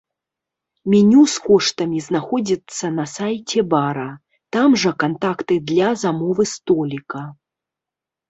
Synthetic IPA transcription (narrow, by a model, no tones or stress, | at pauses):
mʲinʲuskɔʂt̪ɐmʲiznaxɔd͡zʲit̪sːɐnɐsajt͡sʲɛbaɾɐ | t̪amʐɐkant̪akt̪ɨd̪lʲɐzamɔvɨst̪ɔlʲikɐ